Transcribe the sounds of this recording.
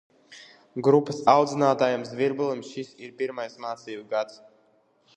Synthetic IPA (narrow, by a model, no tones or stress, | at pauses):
ɡɾupːɐsawd̪zinaːt̪aːjamsviɾbulˠimsʃisiɾpiɾmajsmaːt̪siːbɡat̪s